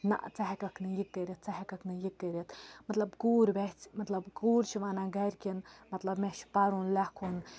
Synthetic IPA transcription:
na̰ʔt͡saɦkɐknɨjik̚t̪eɾʲit̪̚t͡saɦɛkaknɨjik̚t̪eɾʲit̪mɐt̪lɐbɡuːɾʲbɛt͡smɐt̪lɐbɡuːɾʲt͡ʃʰiʋanaɡaɾʲkʲinmɐt̪lɐbmɛʃpaɾunlakʰun

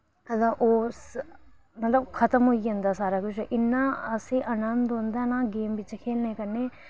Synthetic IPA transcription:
ɐt̪ləʔoːs | mɐt̪ləb̚kʰɐt̪əmɦoːiõnd̪asaːɾakʊt͡ʃʰʔɪnːaɐseʔɐnənd̪ɦõːnd̪anaɡeːmbɪt͡ʃkʰeːlnɐĩkɐɾne

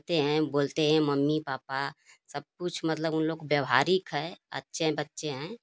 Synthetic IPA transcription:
t̪eɦɛ̃boːlt̪eɦɛ̃məmːipaːpa | səb̚kʊt͡ʃʰmət̪ləbʊnloːɡbjəʋɦaːɾikɦɛə̰tːʃeɦɛ̃bətːʃeɦɛ̃ː

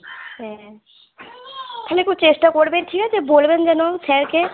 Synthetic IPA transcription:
ɦɛ̃ | k̪ʰalekut͡ɕesʈakoɾbeʈʰikad͡ʑebolbend͡ʑɛnosɛɾke

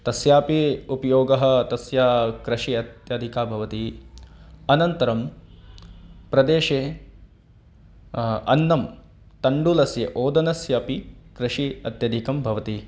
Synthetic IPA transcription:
t̪ɐsjaːpiupɐjoːɡɐɦɐ̆t̪ɐsjaːkɾɐʃiɐt̪jɐd̪ʱikaːbʱɐʋɐt̪i | ɐnɐnt̪ɐɾɐm | pɾɐd̪eːʃeː | ɐ̰nːɐm | t̪ɐɳɖulɐsjɐʔoːd̪ɐnɐsjɐpikɾɐʃiɐt̪jɐd̪ʱikɐmbʱɐʋɐt̪i

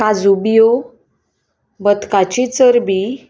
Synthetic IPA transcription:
kad͡zubijo | bət̪kat͡ɕit͡səɾbi

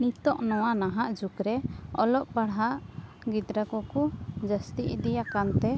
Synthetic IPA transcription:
nit̪ɔʔnɔ̃w̃anaɦaʔd͡ʒukɾɛɔ̰lɔʔbaɽɦaʔ | ɡid̪ɾakɔkud͡ʒəst̪iʔd̪ijakant̪ɛ

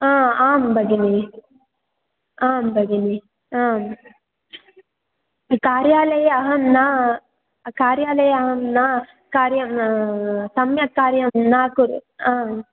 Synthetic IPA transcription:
aːaːmbʱɐɡini | aːmbɐɡini | aːm | kaːɾjaːlɐjɐɦɐmnaː | kaːɾjaːlɐjɐɦɐmnaː | kaːɾjɐm | sɐmjɐt̪̚kaːɾjɐmnaːkuɾaːm

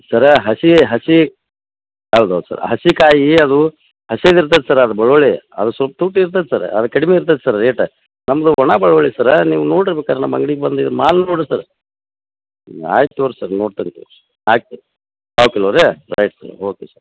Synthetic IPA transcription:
sɐɾɦɐsiɦɐsi | ɦɐwd̪uɐ̰d̪u̥sɐ̰ɾɦɐsikaːjiɐd̪u | hɐseliɾt̪ɐd̪esɐɾɐd̪ubɐɭɐʋɐɭeɐd̪usʋɐlpɐt̪uːʈiɾt̪̬ɐd̪ɛsɐɾ̰ɐd̪ɐkɐɽimeiɾt̪̬ɐd̪sɐɾːeːʈɐ | nɐmːɐd̪uɦɔɳabɐɭʋɐɭesɐɾniːʋunoːɽiɾbɛːkaːɾnɐmːɐŋɡɐɭiɡebɐnd̪id̪ɾmaːlnoɽisɐɾ | a̰ːjt̪ʋɐɾsɐɾnoːɖt̪ɐnt̪ṵɾ | aːk̚t̪e | saːwukɛloːɾeɾɐ̰jʈsɐ̰ɾoːkesɐɾ

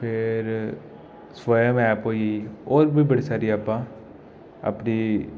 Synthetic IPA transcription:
pʰɪɾ | sʋaːjəmɛːpɦoːieioːɾbʱiːbəɽiːsaːɾiːaːpːãː | ə̰pniː

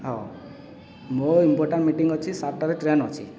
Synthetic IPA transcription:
ɦɔ̃ | moimpoɾʈaɳʈmiʈiŋɡɔt͡ʃʰisaɾʈaɾeʈɾenɔt͡ʃʰi

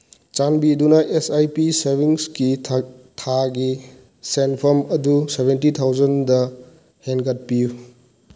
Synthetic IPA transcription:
t͡ʃanbidunɐʔesajpiseɾbiŋski | tʰaɡi | senpʰɐmɐdusebentit̪ʰawd͡ʒɐndɐ | henɡɐt̚piju

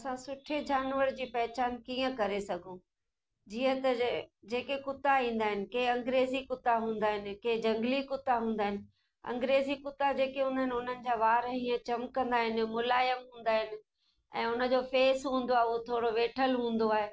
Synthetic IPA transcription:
ɐsãsʊʈʰed͡ʑaːnʋəɾd͡ʑiːpɐɦɪt͡ɕaːnkiːə̃kɐɾesɐɡʱũ | d͡ʑiːə̃t̪ɐd͡ʑeːkekʊt̪aĩːn̆d̪aːɦɪnɪ̆keːɐ̃ŋɡɾeːzikʊt̪aɦũːn̆d̪aːɦɪnɪ̆keːd͡ʑɐ̃ŋɡlikʊt̪aɦũːnd̪aːɦɪnɪ̆ | ɐ̰̃ŋɡɾeːzikʊt̪ad͡ʑeːkeɦũːnd̪aɦɪnɪʊn̤ənɪ̆d͡ʑaːʋaːɾĩːə̃t͡ɕɐmkɐ̃nd̪aːɦɪnɪ̆mʊlaːjəmɦũːn̆d̪aːɦɪnɪ̆ | ɛ̰̃ːʊnə̆d͡ʑofeːsɦũːn̆d̪oaːɦeuɦot̪ʰoːɽoʋeːʈʰəlɦũːn̆d̪oaːɦeː

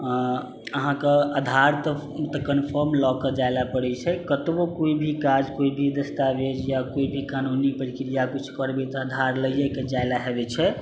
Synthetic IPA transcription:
əɦãkeəd̪ʱaɾt̪ə | t̪ɔkənpʰəɾmlɔked͡ʒalapəɽɛt͡ʃʰɛkət̪bokoibʱikad͡ʒkoibʱid̪əst̪abed͡ʒjakoibʱikanunipəɾikɾijakut͡ʃʰkəɾbɛt̪ɔəd̪ʱaɾləijeked͡ʒajlaɦebɛt͡ʃʰɛ

